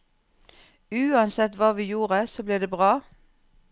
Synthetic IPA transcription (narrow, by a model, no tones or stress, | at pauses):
ʉːɑnsɛt̪ʋɑːʋiːjuːʁəsoːbliːd̪eːbʁɑː